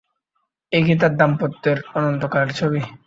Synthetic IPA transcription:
ejɡit̪̬ad̪ːampot̪ːeɾɔnont̪okaɾeɾt͡ɕʰobi

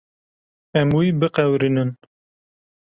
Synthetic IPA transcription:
ɛmwibɨqɛwɾinɨn

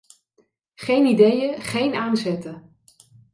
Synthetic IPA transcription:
χejnidejəχejnaːnzɛtə

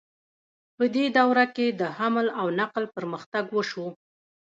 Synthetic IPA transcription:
pəd̪ed̪awɾaked̪əhamlawnaqlpəɾməxt̪aɡwəʃu

